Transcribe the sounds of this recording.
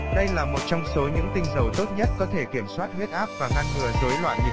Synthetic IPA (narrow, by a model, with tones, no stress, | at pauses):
ɗə˧jlaː˨˩mo˨˩t̚t͡ɕɔ˧wŋ͡mso˨˦ɲɨ̰˧˥ŋt̪ï˧ŋ̟zə˨˩wt̪o˦˥t̚ɲə˦˥t̚kɔ˨˦t̪ʰe˧˩ki˧˩əmswaː˦˥t̚hwe˦˥t̚ʔaː˦˥p̚vaː˨˩ɣaː˧nŋɨ˨˩əzo˨˦jlwa̰ː˧˨jɨ˨˩